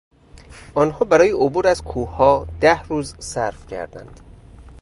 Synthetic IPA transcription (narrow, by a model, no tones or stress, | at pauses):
ʔɒːnhɒːbæɾɒːjeʔobuːɾæzkʰuːhɒːd̪̥æhɾuːzsæ̰ɾfcʰæ̰ɾd̪æ̰nd̪̥